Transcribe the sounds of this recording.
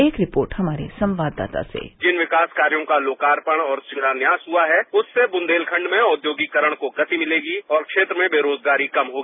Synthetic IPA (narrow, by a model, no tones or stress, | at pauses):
eːkɾɪpoːɾʈhɐmaːɾḛsɐ̃mʋaːd̪ːa̰ːt̪a̰sḛd͡ʒɪnʋɪkaːskaːɾijõkaloːkaːɾpəɽ̃ɔːɾsɪɽaːnjaːsɦuaɦɛʊsːebʊ̃nd̪eːlkʰɐ̃ɳɖmẽʊd̪joːɡikəɾəɽ̃koɡɐt̪imɪleːɡiɔːɾkʃeːt̪ɾəmẽbeːɾoːd͡ʒɡaːɾikɐmɦoːɡiiː